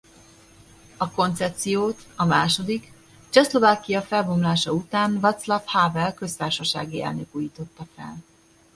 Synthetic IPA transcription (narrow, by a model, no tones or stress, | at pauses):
ɒko̞nt̪sɛt̪sijoːt̪ɒmaːʃo̞d̪ik | t͡ʃɛslo̞vaːkijɒfɛlbomlaːʃɒut̪aːnvɒt̪slɒfhaːvɛlkø̞st̪aːrʃɒʃa̰ːɡiɛ̰lnøkuːjiːt̪o̞t̪ːɒfɛ̰l